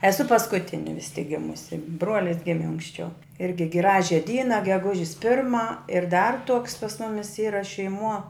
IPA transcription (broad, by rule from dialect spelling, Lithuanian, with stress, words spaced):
ɛˈsʊ pɐskʊˈtʲɪnʲɪ ʋʲɪs tʲɪk ˈɡʲɪmʊsʲɪ ˈbruɔlʲɪs ˈɡʲɪmʲɪ ɐŋksʲˈt͡ʃʲɛʊ ˈɪrʲɡʲɪ ˈɡrɑːʒʲɛ ˈdʲiːnɐ ɡʲɛˈɡʊʒʲɪs ˈpʲɪrmɐ ɪr dɐr tuɔks pɐs ˈmʊmʲɪs ˈiːrɐ ʃʲɛɪˈmuɔ